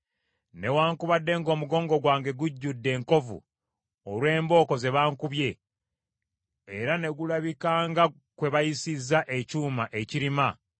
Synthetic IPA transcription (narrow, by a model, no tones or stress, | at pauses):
ne̞waːŋkuβadːe̞ŋɡo̞ːmuɡo̞ːŋɡo̞ɡwaːŋɡe̞ɡuɟːudːe̞ːŋko̞vṵ | oɾwe̞ːmbo̞ːko̞ze̞βaːŋkuβje̞ | eɾane̞ɡulaβikaːŋɡa | kwe̞βajisizːaʔe̞cuːmaʔe̞ciɾima